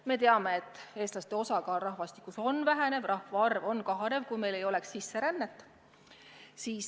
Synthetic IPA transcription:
me̞t̪e̞ɑme̞et̪ːˑe̞ːst̪lɑst̪e̞o̞sɑkɑːlrɑhvɑst̪i̥kˑːuso̞nvæɦene̞vrʔɑhvɑɑrvo̞nkɑɦɑne̞vkujme̞jle̞jo̞le̞ksːisːe̞ɾænːet̪ːˑ | siːs

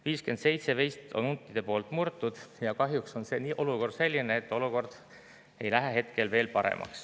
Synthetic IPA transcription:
viːske̞nd̪̥se̞jt̪se̞vijst̪o̞̰nunt̪ːˑid̥̪e̞po̞ːlt̪ˑmurt̪ːˑud̪̥jɑkɑɦjukso̞nse̞niːʔo̞luko̞rd̪̥se̞lʲːineːt̪ːˑo̞luko̞rd̪̥ | e̞jlæɦeɦe̞t̪ke̞lve̞ːlpɑɾḛmʔɑ̰ks

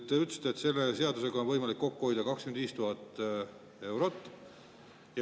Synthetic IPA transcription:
t̪ːeyt̪ːˑst̪eːt̪se̞lːese̞ɑd̪use̞ɡɑonvɤjmɑlikːo̞kːuho̞jd̪̥ɑkɑkskymnd̪iːst̪uɦɑt̪ː | e̞wɾo̞t̪ːˑ | j

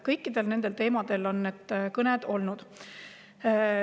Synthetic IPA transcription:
kɤjkːˑid̪̥e̞lne̞nd̪e̞lt̪e̞ːmɑd̪̥e̞lo̞nːet̪ːkɤned̪̥o̞lnud̪̥

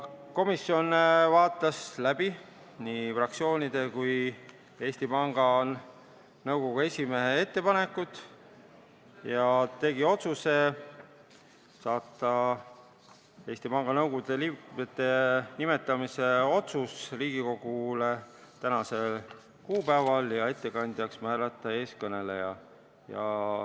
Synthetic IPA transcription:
ko̞misːjo̞nvɑːt̪ːˑɑslæb̥i | niːfrɑk̚sio̞ːnʲid̪̥e̞kuj | e̞ːsʲt̪ipɑŋɡ̥ɑ | nɤwɡo̞ɡ̥ue̞sʲimeɦee̞t̪ːe̞pɑne̞kːˑut̪ːˑ | jɑt̪e̞ɡ̥io̞t̪suse̞ | sɑːt̪ˑːɑ | e̞ːsʲt̪ipɑŋɡ̥ɑnɤwɡud̪̥elimet̪ːˑe̞nime̞t̪ːˑɑmise̞o̞t̪susliːɡ̥iko̞ɡ̥ule̞t̪ænɑse̞l | kuːpæevɑljɑe̞t̪ːe̞kɑnʲd̪̥jɑksmæːlɑt̪ːˑɑe̞ːskɤne̞lejɑ | jɑ̰

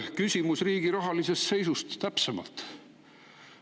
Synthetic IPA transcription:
kysʲimusriːɡ̥iɾɑɦɑlise̞st̪se̞jsust̪ːæpsemɑ̰lt̪ˑ

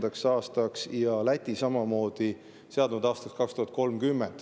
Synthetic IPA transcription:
d̪̥ɑksɑːst̪ɑksjɑlæt̪ʲːisɑmɑmo̞ːd̪̥i | se̞ɑd̪nud̪̥ɑːst̪ɑkskɑkst̪uhɑt̪̚ko̞lmkymːend̪̥

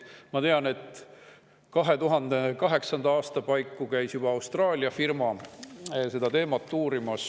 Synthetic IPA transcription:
mɑt̪eɑne̞t̪ | kɑɦe̞t̪uɦɑnd̪̥ekɑɦe̞ksɑnd̪ɑɑːst̪ɑpɑjkːˑukæjsjub̥ɑːwst̪rɑːlʲiɑfirmɑ | se̞d̪̥ɑt̪e̞ːmɑt̪ːuːɾimɑs

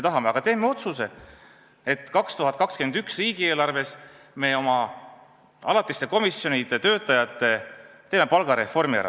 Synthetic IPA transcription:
et̪ɑɦɑmeɑɡ̥ɑt̪e̞ːme̞o̞t̪suse̞ | e̞t̪kɑkst̪uɦɑt̪̚kɑkskenyksriːɡ̥ieːlɑrve̞s | me̞o̞mɑ | ɑlɑt̪ːˑist̪e̞ko̞misjo̞nid̪̥et̪ø̞ːt̪ːˑɑjɑt̪ːˑe̞t̪e̞ːme̞pɑlɡ̥ɑɾe̞fo̞rmiæ̰ɾɑ̰

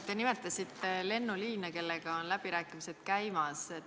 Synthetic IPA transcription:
t̪e̞nime̞t̪ˑːɑsit̪ːele̞nːuliːnɑke̞lːeɡ̥ɑonlæb̥iɾæːkˑimise̞d̪̥kæjmɑs

